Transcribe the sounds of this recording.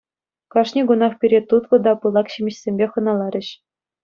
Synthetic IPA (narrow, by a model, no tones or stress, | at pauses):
kɑʂnʲiɡunɑχpʲiɾʲet̪ut̪lɤ̆d̪ɑpɯlˠɑkɕimʲɘ̆ɕsʲemʲbʲeχɤ̆nɑlˠɑɾʲɘ̆ɕ